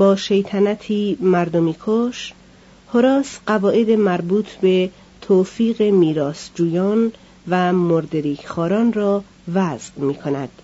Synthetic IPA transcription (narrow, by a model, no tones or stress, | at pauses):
bɒːʃejt̪ʰænæt̪ʰiːmæɾd̪omiːkʰoʃ | hoɾɒːsɢævɒːʔe̞d̪emæɾbuːt̪ʰbe̞ | t̪ʰoːfiːɣe̞miːɾɒːsd͡ʒuːjɒːn | væmoɾd̪eɾiːkxɒːɾɒːnrɒː | væzmiːkʰo̞næd̪̥